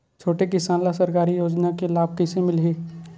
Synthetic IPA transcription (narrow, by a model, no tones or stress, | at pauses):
t͡ʃʰoːʈekɪsaːnlasəɾkaːɾijoːd͡ʒnakelaːb̚kɪsẽmɪlɦeː